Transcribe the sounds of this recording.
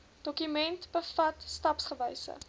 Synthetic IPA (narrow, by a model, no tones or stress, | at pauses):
d̥ɔkymɛntb̥əfɐtstɐpsχəvəjsə̰